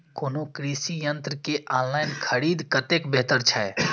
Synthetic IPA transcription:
koːnokɾisijənt̪ɾəkeʔanlaɪnkʰəɾiːd̪kət̪ekbɛɦt̪əɾt͡ʃʰaɛ

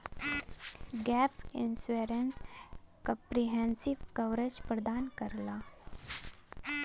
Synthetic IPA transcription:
ɡɛpinseɾenskəpɾiɦẽnsiʋkəwɾed͡ʒpɾəd̪aːnkəɾlaː

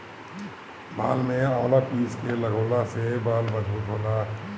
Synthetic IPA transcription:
ba̰ːlmẽaːlapiːskelɐɡoːlasebaːlbɐzbuːt̪ɦoːt̪aː

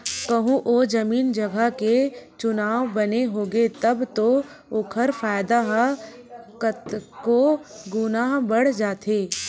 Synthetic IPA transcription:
kɐɦũʔod͡ʒɐmiːnd͡ʒɐɡaket͡ʃʊnaːʋbɐneɦoːɡet̪ɐbt̪o | ʊkʰəɾfaːjd̪aɦ | kət̪koɡʊnaɦbɐɽ̤d͡ʒaːt̪ʰeː

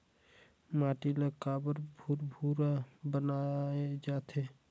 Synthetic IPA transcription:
maːʈiləkaːbəɾbʱuɾbʱuɾabənaed͡ʒaːt̪ʰeː

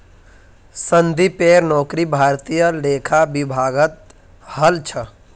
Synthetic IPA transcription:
sənd̪ʱipeːɾnɔːkɾibʱaːɾt̪ijəleːkʰabɪbʱaːɡət̪̚ | həlt͡ʃʰə

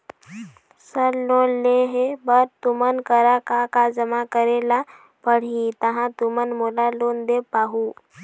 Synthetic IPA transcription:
səɾlonleɦebəɾt̪umənkəɾakakad͡ʑəmakəɾela | pəɽ̤it̪əɦãt̪umənmolalond̪epaɦu

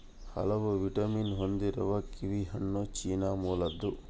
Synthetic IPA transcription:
hɐ̰lɐʋuʋiʈɐminɦond̪iɾɐ̰ʋɐkiʋiɦɐɳːoːt͡ʃiːnaːmuːlɐd̪ːu

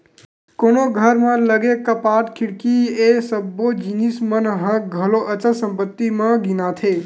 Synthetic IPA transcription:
konoɡʱəɾmə̃ləɡekəpaʈkʰiɽkiesəbod͡ʒinismənɦə̃ɡʱəloʔət͡ʃəsə̃mpət̪ːimə̃ɡinat̪ʰe

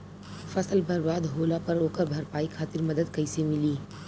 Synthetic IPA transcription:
fɐsəlbɐɾbaːd̪ɦoːlapɐɾoːkəɾbʱɐɾpaːikʰaːt̪ɪɾmɐd̪əd̪kɐɪsemɪliː

